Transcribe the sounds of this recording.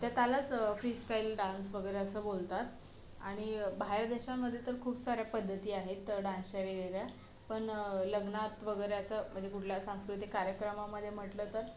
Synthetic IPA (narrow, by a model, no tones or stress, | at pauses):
t̪jat̪jalat͡sfɾiːsʈailɖãnsʋəɡəjɾeəsəːbolt̪at̪ | aɽ̃ibʱaɦeɾd̪eɕaməd̪ʱːjet̪əɾkʰuːpsaɾjapəd̪ʱːət̪iːaɦet̪ːəɖãnsaʋeɡəjɾja | pəɳləɡnat̪ʋəɡəjɾeəsəm̤əɳd͡zekuʈʰljasãskɾut̪ikːaɾjəkɾəmaməd̪ʱːjem̤əʈlət̪əɾ